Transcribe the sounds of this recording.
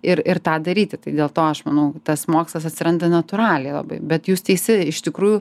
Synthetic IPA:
ɪɾɪɾt̪ɑːd̪ɐɾʲiːt̪ʲɪt̪ɐɪd̪ʲeːlˠt̪oːɐʃmɐnɐʊt̪ɐsmoːkslˠɐsɐt̪ʲsʲɪɾɐnd̪ɐnɐt̪ʊɾɑːlʲɛɪlˠɐ̰bɐ̰ɪbʲɛt̪juːst̪ʲɛɪsʲɪɪʃt̪ʲɪkɾuːjʊ

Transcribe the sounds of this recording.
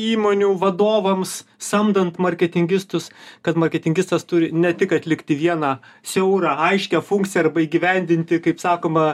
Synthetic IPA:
iːmoːnʲuːʋɐd̪oːʋɐmssɐmd̪ɐnt̪mɐɾʲkʲɛt̪ʲɪŋʲɡʲɪst̪ʊskɐt̪mɐɾʲkʲɛt̪ʲɪŋʲɡʲɪst̪ɐst̪ʊɾʲɪnʲɛt̪ʲɪkɐt̪ʲlʲɪkt̪ʲɪʋʲiɛnɑsʲɛʊɾɑɐɪʃʲkʲɛfʊŋʲkt̪t͡sʲɪjɛɐrbɐiːɡʲɪʋʲɛnʲd̪ʲɪnʲt̪ʲɪkɐɪpsɑːkoːmɐ

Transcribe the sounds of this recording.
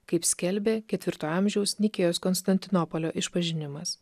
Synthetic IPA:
kɐɪpsʲkʲɛlʲbʲeːkʲɛt̪ʲʋʲɪɾt̪oːɑˑmʲʒʲɛʊsnʲɪkʲeːjoːskɔnst̪ɐnʲt̪ʲɪnɔpɔlʲoːʔɪʃpɐʒʲɪnʲɪmɐs

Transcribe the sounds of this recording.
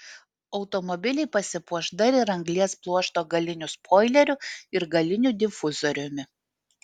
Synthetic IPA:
ɒʊt̪ɔmɔbʲɪlʲɛɪpɐsʲɪpuɔʒd̪ɐɾʲɪɾɐŋɡlʲiɛsplˠuɔʃt̪oːɡɐlʲɪnʲʊspʰoːɪlʲɛɾʲʊɪɾɡɐlʲɪnʲuːˑd̪ʲɪfʊzɔɾʲʊmʲɪ

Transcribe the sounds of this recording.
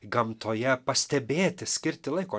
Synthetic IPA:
ɡɐmt̪ʰoːjɛpɐsʲt̪ʲɛbʲeːt̪ʲɪsʲkʲɪɾʲt̪ʲɪlˠɐɪkoː

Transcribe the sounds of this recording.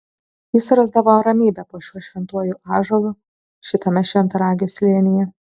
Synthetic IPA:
jɪsɾɐzd̪ɐʋoɾɐmʲiːbʲɛpoːʃʲuɔʃʲʋʲɛnt̪uɔjuʔɑːʒɐlˠuː | ʃʲɪt̪ɐmʲɛʃʲʋʲɛnt̪ɐɾɑːɡʲɪosʲlʲiɛnʲɪjɛ

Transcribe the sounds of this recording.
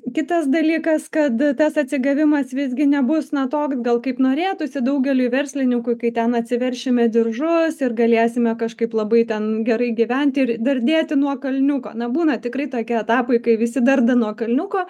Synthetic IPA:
kʲɪt̪ɐsd̪ɐlʲiːkɐskɐt̪t̪ɐsɐt̪ʲsʲɪɡɐʋʲɪmɐsʋʲɪzʲɡʲɪnʲɛbʊsnɐt̪oːksɡɐlˠkɐɪpnoːɾʲeːt̪ʊsʲɪd̪ɐʊɡʲɛlʲʊjʋʲɛɾʲsʲlʲɪnʲɪŋkʊjkɐɪt̪ʲɛnɐt̪ʲsʲɪʋʲɛɾʲʃʲɪmʲɛd̪ʲɪrʒʊsɪrɡɐlʲeːsʲɪmʲɛkɐʃkɐɪplˠɐbɐɪt̪ʲɛnɡʲɛɾɐɪɡʲiʋʲɛnʲt̪ʲɪɾd̪ɐrʲd̪ʲeːt̪ʲɪnuɔkɐlʲnʲʊko̰ːnɐbuːnɐtʲɪkrɐɪt̪oːkʲiɛt̪ɑːpoɪkɐɪʋʲɪsʲɪd̪ɐrd̪ɐnuɔkɐlʲnʲʊkoː

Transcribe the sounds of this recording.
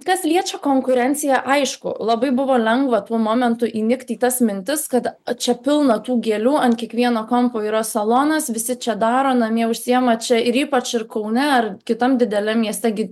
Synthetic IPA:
kɐslʲiɛt͡ʃʲokoːŋkʊɾʲɛnʲt͡s̪ʲɪjɛʔɐɪʃkʊ̰lˠɐbɐɪbʊʋoːlʲɛŋɡʋɐt̪uɔmoːmʲɛnt̪ʊʔiːnʲɪkt̪ʲiːt̪ɐsmʲɪnʲt̪ʲɪskɐt̪t͡ʃʲɛpʲɪlˠnɐt̪uːɡʲeːlʲuːɐnkʲiɛkʋʲiɛnoːkompoːiːɾɐsɐlˠoːnɐsʋʲɪsʲɪt͡ʃʲɛd̪ɑːɾoːnɐmʲiɛʊʃʲsʲɪjɛmɐt͡ʃʲɛɪɾiːpɐt͡ʃɪrkɐʊnʲɛɐrkʲɪt̪ɐmd̪ʲɪd̪ʲɛlʲɛmmʲiɛsʲt̪ʲɛɡʲɪ

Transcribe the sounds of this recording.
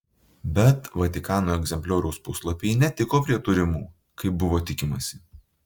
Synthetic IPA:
bʲɛt̪ʋɐt̪ʲɪkɑːnoːɛɡzʲɛmʲpʲlʲoːɾʲɛʊspʊslˠɔpʲejnʲɛt̪ʲɪkoːpʲɾʲiɛt̪ʊɾʲɪmuː | kɐɪbʊʋoːt̪ʲɪkʲɪmɐsʲɪ

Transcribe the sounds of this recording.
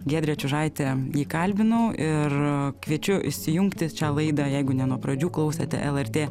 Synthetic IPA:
ɡʲeːd̪ʲɾʲɛt͡ʃʲʊʒɐɪt̪ʲɛjiːkɐlʲbʲɪnɐʊʔɪrkʋʲiɛt͡ʃʲʊʔɪ̰ʃʲsʲɪjʊŋkt̪ʲɪt͡ʃʲɑːlˠɐɪd̪ɐjɛɪɡʊnʲɛnuɔpɾɐd͡ʒʲuːklˠɐʊsʲɛt̪ʲɛ̰ʔɛlˠɛrʲt̪ʲeː

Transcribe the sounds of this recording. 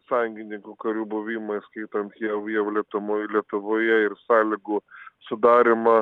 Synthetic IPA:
sɑjʊŋʲɡʲɪnʲɪŋkuːkɐɾʲuːbʊʋʲimɐɪskɐɪt̪ɐnt̪jɛʋjɛʊlʲiɛt̪ʊmolʲiɛt̪ʊʋoːjɛɪɾsɑːlʲɪɡuːsʊd̪ɑːɾʲɪmɐ

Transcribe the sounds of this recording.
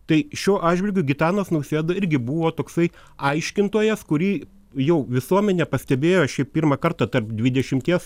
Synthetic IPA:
t̪ɐɪʃʲuːʔɑːʒʲʋʲɪlʲɡʲʊɡʲɪt̪ɑːnɐsnɐʊsʲeːd̪ɐɪɾʲɡʲɪbuʋoːt̪oːksɐɪ | ɐɪʃʲkʲɪnt̪uːjɛskʊɾʲiː | jɛʊʋʲɪsuɔmʲɛnʲɛːpɐsʲt̪ʲɛbʲeːjoːɐʃʃʲɛɪp̚pʲiːɾmɐkɐɾt̪ɐt̪ɐrpd̪ʲʋʲɪd̪ʲɛʃʲɪmʲt̪ʲiɛs

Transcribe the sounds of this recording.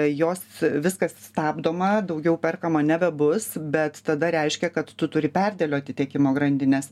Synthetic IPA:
joːsʋʲɪskɐsst̪ɑːbd̪oːmɐd̪ɐʊɡʲɛʊpʲɛrkɐmɐnʲæbʲɛbʊsbʲɛt̪t̪ɐd̪ɐɾʲɛɪʃʲkʲɛkɐt̪tʊt̪ʊɾʲɪpʲærʲd̪ʲeːlʲoːɐt̪ʲɪt̪ʲɛkʲɪmoːɡɾɐnʲd̪ʲɪnʲeːs

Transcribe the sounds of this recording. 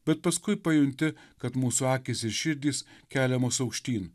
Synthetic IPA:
bʲɛt̪̚pɐskʊɪpɐjʊnʲt̪ʲɪkɐt̪muːsʊɑːkʲɪːsɪɾʃʲɪɾʲd̪ʲiːskʲæːlʲɛmoːsɐʊkʃʲt̪ʲiːn

